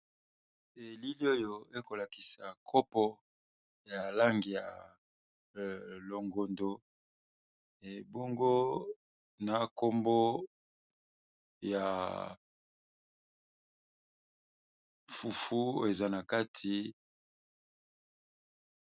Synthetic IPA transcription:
e˨li˦li˦o˦jo˦e˦ko˨la˨ki˨sa˨kʰo˦pɔ˦ | ja˨la˦ŋɡi˨ja˨ | lo˨ŋɡo˨ndo˨ | bo˦ŋɡo˦ | na˨ko˦mbo˦ | ja˨ | fu˨fu˦e˨za˦na˨ka˦tʰi˨

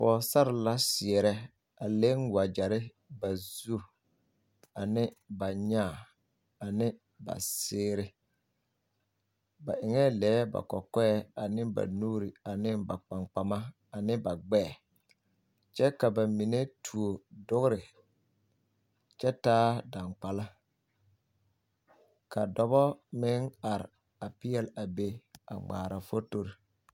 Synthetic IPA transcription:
pɔː˨sa˦ɾɪ˨la˦sɪ˨ɛ˨ɾɛ˦ | a˨le˦ŋwa˨d͡ʒa˨ɾɪ˦ | ba˨zu˦ | a˨nɪ˦ba˨ɲa˦˨ | a˨nɪ˦ | ba̰˨sɪː˦ɾɪ˦ | ba̰˨ʔɪ˨ŋɛ˦lɛː˨˦ba̰˨kɔ̰˨kɔ˦ɛ˦a˨nɪ˦ba̰˨nuː˦ɾi˨a˨nɪ˦ba˨k͡pa˨ŋk͡pa˨ma˦ | a˨nɪ˦ba˨ɡ͡bɛː˦˨ | t͡ʃɛ˦ka˨ba˨mi˨ne˦tʰu˨o˨dʊ˦ɣɾɪ˨ | t͡ʃɛ˦taː˦da˨ŋk͡pa˨la˦ | ka˨dɔ˨bɔ˦mɪ˦na˨ɾ | a˨pɪ˦jɛ˦la˨be˦a̰˨ŋ͡ma̰ː˨ɾa˨fo˦to˦ɾi˨

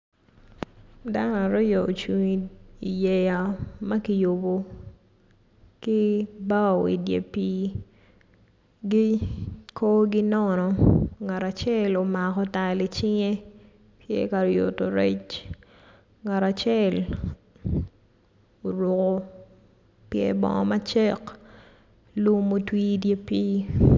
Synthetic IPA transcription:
da˦n˦a˨ɾɔ˦jɔ˨o˨t͡ʃu˨ŋi˨i˨jɛ˨ja˨ma˦ki˦jo˨bo˨ | ki˦ba˦˨wḭ˨djḛ˨pi˦ | ɡi˦kʰo˦ɡɪ˦nɔ˦nɔ˨ŋa˨ɾa˨t͡ʃɛ˦lo˨ma˨kɔ˦ta˨lɪ˨t͡ʃɪ˦ŋe˦ | tjḛ˦ka˨ɾjo̰˨to˨ɾe˦t͡ʃ | ŋa˨ɾa˨t͡ʃɛ˦l | o˨ɾʊ˨ko˦ | pjɛ̰˦bɔ̰˦ŋɔ̰˦ma˦t͡ʃɛ˦k | lu˦mo˦twi˦dje˦piː˦

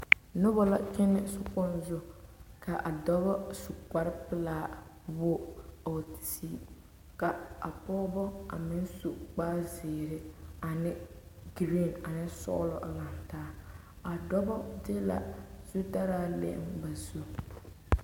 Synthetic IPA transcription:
nʊ˦βɔ˦la˦kɪ˦nɪ˦sʊ˨kɔ˦nzʊ˦kʰa˨ʔa˨dɔ˦bɔ˦su˨ka˨ɾɪ˦pɪ˦laː˦ | bo˦o˨ttiː˦ | ka˨a̰˨pɔ˦bɔ˦a̰˨mɪ˦n˦su˨k͡paː˦zeː˨ɾɪ˦a˨nɪ˦ | ɡɾi˦˨na˨nɪ˦sɔ̰˦lɔ˨la˨n˨taː˦ | a˨dɔ˦bɔ˦de˦la̰˨z̥u˦da˦ɾaː˦lḛ˦ʔɪ̰˦mba˨zu˦

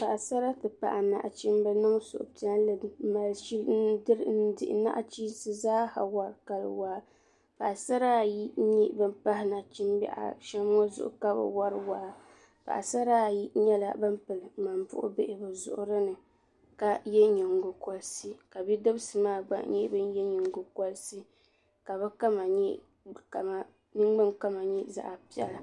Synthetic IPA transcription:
pa˨ʔa˨sa˦ɾa˦tɨ˨pa̰˨ʔa˨na̰˨ʔa˨t͡ʃi˦m˦bɛ˦nɨ˦ŋ˦sʊ̰˨ʔʊ̰˨ta˦n˦lɨ˨˦ma˨lʃi˦ln˦dɨ˦ɾn̩˦dɪ̰˦˨ʔɪ̰˨na̰˦ʔa˦t͡ʃiː˦sɨ˦zaː˦ha̰˨wa˨ɾka˨l̰waː˨˦ | pa˨ʔa˨sa˦ɾa˦˨ji˦ɲi˦bɨ˦mpa˦ɦɪ˦na˨t͡ʃi˦mbɛ̰˦ʔa̰˨ʃɛ˦mː˦o˦zʊ̰˨ʔʊ̰˦˨ka˦ba̰˨wa˦ɾwaː˦˨ | pa̰˨ʔa̰˨sa˦ɾaː˦˨ji˦ɲɛ˦la̰˦bɨ˦mpɨ˨lɨ˨ma˨mpʊ̰˦ʔʊ̰˦be˦ʔɪ˨bɨ˨zʊ̰˨ʔʊ̰˦ɾɨ˦nɨ˨ | ka˨jɛ˦ɲi˨ŋ˨ɡʊ˨kɔ˨lsi˦ka˨bi˦dɨ˦bsɨ˨maː˦˨ɡ͡ba̰˦ʔɲɛ˦bɨ˦njɛ˦ɲɪ˨ŋ˨ɡʊ˨kɔ˦lsi˦ | ka˨βɨ˦ka˦ma˨ɲɛ˦ | ka˨ma˨ | nɨ˦ŋ˦ɡ͡bɨ˦ŋka˦ma˨ɲɛ˦za̰˨ʔa˨pi˦ɛ̰˦la˨

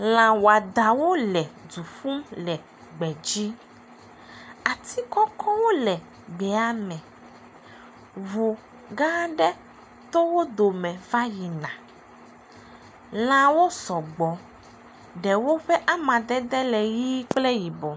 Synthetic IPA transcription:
l̃ã˨wo˨a˨d̪a˨wo˦lɛ˨d͡zu˨ɸu˦mlɛ˨ | ɡ͡bɛ˨d͡ʒi˦ | a˨t̪ʰi˦kɔ˦kɔ˦wo˦lɛ˨ | ɡ͡bɛ˨˦a˦mɛ̃˨ | vu˨ | ɡã˦ɖɛ˦ | t̪o˦wo˦d̪o˨mɛ̃˨va˦ji˨nã˨ | l̃ã˨wo˦sɔ˨ɡ͡bɔ˨ | ɖɛ˨wo˦ɸɛ˦ʔa˦mã˨d̪ɛ˦d̪ɛ˦lɛ˨ji˦k͡plɛ˦ji˨bɔ˨

